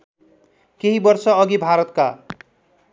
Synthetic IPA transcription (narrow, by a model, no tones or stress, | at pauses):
keɦibɔɾsɔːɡibʱaɾɔt̪ka